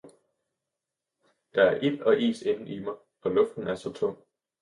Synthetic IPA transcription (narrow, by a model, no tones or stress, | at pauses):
d̥ɑ̈æɐʔilɒ̽ʔḭːse̝nn̩ʔimɑ̈ɪ | ɒ̽lɔ̽fd̥n̩æɐsɒ̽t͡sʰɔ̽ŋ̰